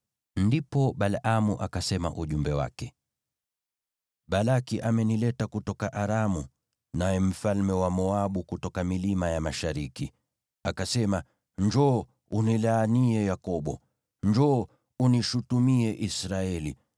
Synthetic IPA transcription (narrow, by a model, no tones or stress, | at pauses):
ndipɔɓalamuʔakasɛma̰ʔuʄumbɛwa̰kɛ | ɓalakiʔamɛnilɛtakutɔkaʔaɾamu | najɛm̩falmɛwamɔaɓukutɔkamilimajamaʃaɾiki | akasɛma | ɲd͡ʒɔ | unilaːniɛjakɔɓɔ | ɲd͡ʒɔː | uniʃutumiɛʔisɾaɛli